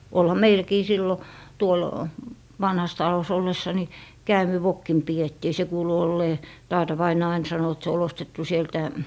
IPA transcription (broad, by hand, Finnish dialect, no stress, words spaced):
olhɑ meilkiː silːo tuol ʋɑnhɑs tɑlos olːesːɑ ni kæːmiʋokːim pietːiː se kuːlu olːeː tɑːtɑ ʋɑinɑː ɑin sɑno et se ol ostetːu sieltæ